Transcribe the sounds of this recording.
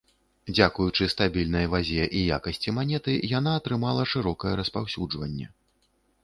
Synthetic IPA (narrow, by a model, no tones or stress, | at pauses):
d͡zʲakujut͡ʂɨst̪abʲilʲnɐjvazʲɛʔijakɐsʲt͡sʲimanʲɛt̪ɨjan̪aːt̪ɾɨmalˠɐʂɨɾɔkɐjɛɾɐspawsʲud͡ʐvɐnʲːɛ̰